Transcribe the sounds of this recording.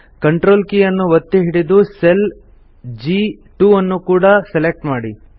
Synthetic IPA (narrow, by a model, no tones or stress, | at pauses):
kɐɳʈɾoːlkijɐnːuʋɐt̪ːeɦiɽid̪usel | d͡ʒiʈuɐnːukuːɽɐselek̚ʈmaːɽi